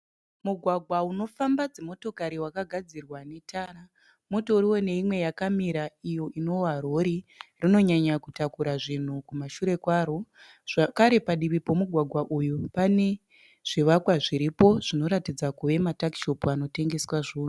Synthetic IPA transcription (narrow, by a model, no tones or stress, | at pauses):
muɡʱwaɡʱwauno̞fambad͡zemo̞to̞kaɾiwakaɡʱad͡zirwane̞tʰaːɾa | muto̞uriwo̞ne̞imwe̞jakamiɾaijo̞ʔino̞waro̞ɾirino̞ɲaɲakutakuɾaʐin̤ukumaʃuɾe̞kwaːɾo | ʐ̥akaɾe̞paɗiʋipo̞muɡʱwaɡʱwaʔujupane̞ | ʐ̥iʋakwaʐiɾipo̞ʐ̥ino̞ɾatid͡zakuʋe̞mataki̥ʃo̞puano̞te̞ŋɡe̞swaʐuːnu